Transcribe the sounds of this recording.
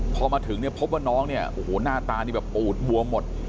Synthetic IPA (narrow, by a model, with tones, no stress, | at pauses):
pʰɔː˧maː˧t̪ʰɯ˩˦ŋni˥˩ɐpʰo˦˥p̬̚waː˥˩nɔː˦˥ŋni˥˩ɐʔʔoː˧hoː˨˩˦naː˥˩t̪aː˧ni˥˩bɛː˨˩ppuː˨˩t̪̚bu˧ɐmo˨˩t̪̚